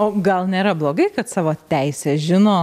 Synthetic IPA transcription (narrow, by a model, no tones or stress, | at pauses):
oːɡɐlˠnʲeːɾɐblˠoːɡɐɪkɐt̪sɑːʋoːt̪ʲæɪsʲɛːʒʲɪnoː